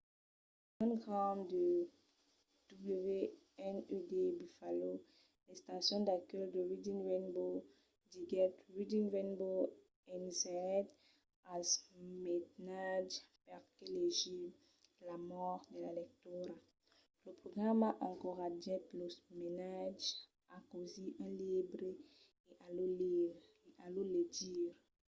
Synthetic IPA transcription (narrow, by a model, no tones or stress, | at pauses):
ɔ̃nɡʁãnd̪ə | d̪̥ubløve | ɛnød̪ebyfalo | lest̪asjɔ̃d̪akɛld̪əʁid̪invɛnbo | diɡɛt̪ʁid̪invɛnbo | ɛnzɛt̪ | asmetnad͡ʒpɛʁkeleʒi | lamɔʁd̪əlalɛk̚t̪yɾa | ləpɾoɡʁamaʔãkɔʁadɛtlosmenad͡ʒ | akoziʔãlibʁe | eʔaloli | eʔalolediʁ